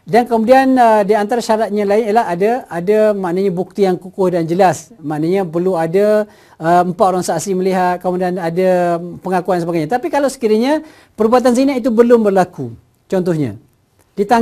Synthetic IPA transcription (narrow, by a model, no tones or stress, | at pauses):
dankəmudianədiant̪aɾaʃaɾat̪̚ɲãlaɪnilaɦadaadamaʔnaɲabuk̚t̪ijaŋkukʊhdand͡ʒəlasmaʔnaɲapərluada | əəmpat̪oɾaŋsaʔsiməliɦat̪̚kəmudianadapəŋakuansəbaɡajɲat̪apikalawsə̥kiɾiɲa | pəɾbuat̪̬anzinait̪̬ubəlʊmbərlaku | t͡ʃɔnt̪ɔhɲã̰ | dit̪a